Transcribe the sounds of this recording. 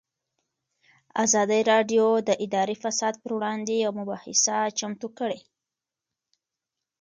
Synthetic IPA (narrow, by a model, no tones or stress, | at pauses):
a̰zɑd̪əɾɑɖjod̪əʔɪd̪ɑɾifasɑd̪̚pəɾwɽɑnd̪ejawmʊbɑhɪ̰sat͡ʃamt̪ukəɽe